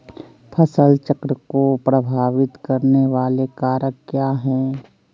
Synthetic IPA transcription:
pʰɐsəlt͡ʃəkɾəkopɾəbʱaːʋɪt̪kɐɾneʋaːlekaːɾəkːjaːɦɛː

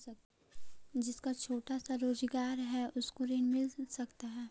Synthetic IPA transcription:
d͡ʒɪskat͡ʃʰoːʈasaɾoːzɡaːɾɦɛʔʊskoɾeːnmɪlsɐkt̪aɦɛː

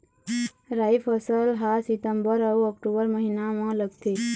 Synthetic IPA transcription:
ɾaːipʰəsəlɦasɪt̪əmbəɾəwɔk̚ʈubəɾməɦinamãləɡt̪ʰe

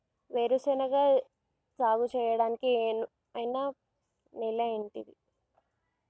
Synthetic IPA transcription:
ʋeːɾusɛːnɐɡaː | d͡ʒaːɡut͡ʃɛːjɐɽaːnikieːnu | ɐjna | niːlɐeɳʈid̪i

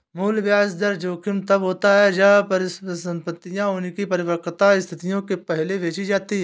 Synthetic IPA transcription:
muːlʋjaːsd̪ɐɾd͡ʒoːkʰɪmt̪ɐbɦoːt̪aɦɛd͡ʒɐpəɾɪssə̃mpət̪ːijãʊnkipɐɾɪʋəɾkt̪aɪst̪ʰɪt̪ijõkepɛɦleʋeːt͡ʃid͡ʒaːt̪iɦɛː

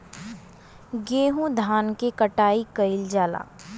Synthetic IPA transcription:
ɡeːɦũd̪ʱaːnkekəʈaːikəɪld͡ʒaːla̰ː

